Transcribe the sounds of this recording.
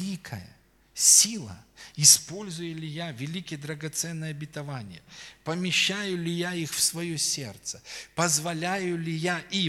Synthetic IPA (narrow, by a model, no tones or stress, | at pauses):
ikʰəjə̰ | sʲilˠə̰ɪspo̞lʲzʊjɪlʲɪjavʲɪlʲikʲɪjəd̪ɾəɡɐt̪sɛnːəjɐbʲɪt̪ɐvanʲɪ̰jəpəmʲɪɕːajʊlʲɪjaixfsvɐjosʲḛrt̪sə̥pəzvɐlʲajʊlʲɪjaʔi